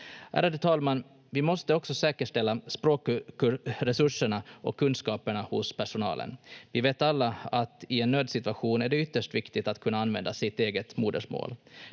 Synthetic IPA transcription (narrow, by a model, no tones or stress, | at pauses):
æ̰ːɾad̪ət̪ʰɑːlman | vɪmɔst̪əɔksɔsɛːkəʂʈɛlːaspɾoːk | ɾɛsɵʂəɳaɔ̰kʰːɵnskɑːpəɳahʊspʰæʂʊnɑ̰ːlə̰nvɪveːt̪alːaat̪ɪɛnːøːd̪sɪt̪ʉaɧuːnæɖɛʏt̪ːəʂʈvɪkt̪ɪɡt̪at̪kʰɵnːaanvɛ̰nd̪asɪt̪eːɡət̪muːd̪ə̰ʂmo̰ːl